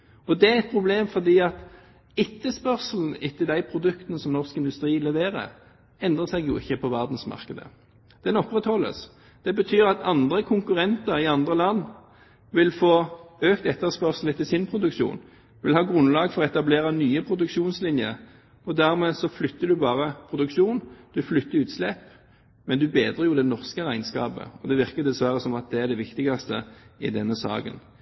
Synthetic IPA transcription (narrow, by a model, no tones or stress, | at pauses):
ɔd̪ɛæɛt̪̚pʰʁʊbleːmfɔd̪iːɑt̪ | ɛt̪ːəspœʁsl̩n̩ɪt̪ʰːəld̪æɪpʰɾʊd̪ʉkt̪ənəsɔmnɔʁskɪnd̪ʉst̪ʁiːlɛʋeːʁə̰ | ɛnd̪ʁəsɛɡjʊ̰ɪçːəpʰɔʋæʁd̪n̩smɑ̰ʁkəd̪ə̰ | d̪̥ɛnɔpʁɛt̪hɔlːə̰s | d̪̥ɛbət̪ʰyːʁɑt̪ʰɑnd̪ʁəkʰʊŋkʉʁɛnt̪əɾɪɑnd̪ʁəlɑnː | ʋɪlfoːøːkt̪ɛt̪ːəʁspœʁsl̩ət̪ʰɪlsɪnpʰʁʊd̪ʉkʃṵːn | ʋɪlhɑːɡʁʉnlɑːɡfɔʁɔɛt̪ɑbleːʁɑnyːəpʰɾʊd̪ʉkʃuːnslɪnjəɾ | ɔd̪æʁmeːsɔflʏt̪ːəd̪ʉbɑːʁəpʰɾʊd̪ʉkʃuːnd̪̥ʉflʏt̪ːəʉːt̪slɛp | mɛnd̪ʉbeːd̪ʁəjuːd̪ɛnɔʁskəɾæɪnskɑːpə̰ɔd̪ɛʋɪʁkət̪d̪ɛsʋæʁəsɔmɑt̪̚d̪ɛæʁd̪ɛʋɪkt̪ɪɡɑst̪əɪd̪ɛnːəsɑ̰ːkə̰n